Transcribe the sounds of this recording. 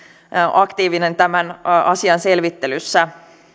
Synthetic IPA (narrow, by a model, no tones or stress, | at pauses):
ʔɑkt̪iːʋinent̪æmænʔɑsiɑnse̞lʋit̪ːelysːæ